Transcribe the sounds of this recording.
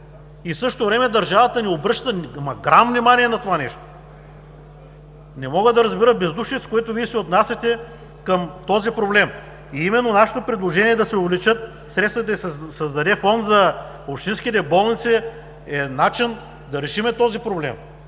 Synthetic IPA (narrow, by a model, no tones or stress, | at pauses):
isɤʃt̪ovɾɛmɛd̪ɐɾʒavət̪əniɛobɾɤʃt̪ənmɐɡɾamvnimaniɛnɐt̪ovanɛʃt̪o̥ | nɛmɔɡəd̪ɐɾɐzbiɾəbɛzd̪uʃɛt̪skoɛt̪ʊviɛsɛot̪nasʲɐt̪ɛ | kəmt̪ɔzipɾoblɛm | iimɛnːonaʃɐ̥t̪opɾɛd̪lˠoʒɛniɛd̪ɐsɛovlɛt͡ʃɤt̪ | sɾɛt̪st̪vət̪ɐsɐzd̪ɐd̪ɛfɔnd̪zɐ | opʃt̪inskit̪̬ɛbɔlˠnit̪si | ɛnat͡ʃin | d̪ɐɾɛʃimɛt̪ɔzipɾoblɛm